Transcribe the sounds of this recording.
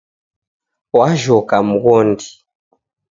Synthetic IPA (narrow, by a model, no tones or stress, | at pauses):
waʒɔkam̩ɣɔndi